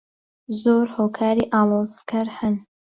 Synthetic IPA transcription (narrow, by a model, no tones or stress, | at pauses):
zoːɾhoːkʰaːɾiːʔaːlˠoːzkʰɐɾhɨn